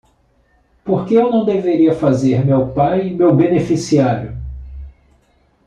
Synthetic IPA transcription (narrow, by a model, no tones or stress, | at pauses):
poɾkeewnɐ̃w̃d̪eveɾiɐfazeɾmewpajimewbenefisiaɾjʊ